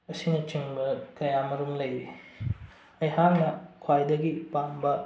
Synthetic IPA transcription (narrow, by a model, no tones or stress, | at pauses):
ɐsinɐt͡ʃiŋbɐkɐjamɐɾumlɐjɾi | ɐjhaŋnɐkʰwajdɐɡipambɐ